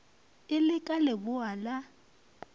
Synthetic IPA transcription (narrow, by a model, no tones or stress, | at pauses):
ɪlɪkʼalɪbʊala